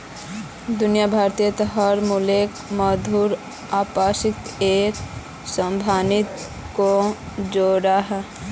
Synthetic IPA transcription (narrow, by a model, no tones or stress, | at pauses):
d̪ʊnijabʱaːɾt̪ijət̪ɦəɾmuleːk | məd̪ʱuːɾ | aːpaːsɪkt̪eːk | sə̃mbʱaːnɪt̪ | ko | d͡ʒoːɾaɦɛ